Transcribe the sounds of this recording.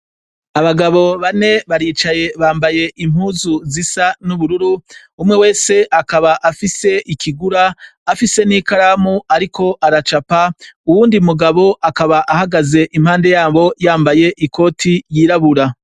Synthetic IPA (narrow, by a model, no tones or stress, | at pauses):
aβaɡaβo̞βane̞βaɾiːt͡ʃaje̞βaːmbaje̞ʔim̥huːzuzisanuβuɾuɾu | umŋewe̞ːse̞ʔakaβaʔafise̞ʔikʰiɡuɾaːfise̞nikaɾamuaɾikʰo̞ʔaɾat͡ʃapauwuːndimuɡaβo̞ʔakaβaʔahaɡaze̞ʔimhaːnde̞jaːβo̞jaːmbaje̞ʔiko̞ːtʰijiːɾaβuɾa